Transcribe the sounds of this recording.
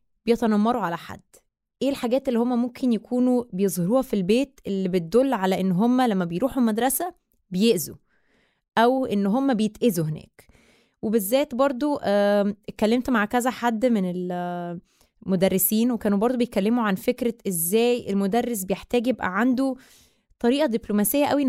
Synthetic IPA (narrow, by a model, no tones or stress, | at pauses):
b̥ejet̪ænɑmːɑɾˤuʕalæħa̰d̪̥ː | ʔeːlħaɡæːt̪ʔelːihomːæmomkʰenjækʰuːnubejezˤhɑɾuːhɑfilbeːt̪ʔelːibet̪̚d̪olːʕalæʔenːɦomːælæmːæbejɾuːħumæd̪ɾˤɑsæ | bejeʔzu | ʔæwʔenːɦomːæbejet̪ʔezuɦenæ̰ːk | webezːæːt̪bɑɾˤd̪ˤoʔkːælːemt̪maʕkæzæħad̪ːmenel | mod̪ærːesiːnwekæːnubɑɾˤd̪ˤbejet̪kælːemuʕanfekɾæʔezːæːjelmod̪ærːes̬bejeħt̪æːɡjebʔæ̰ʕand̪u | t̪ˤɑɾiːʔæd̪iblomæsejːæʔæwi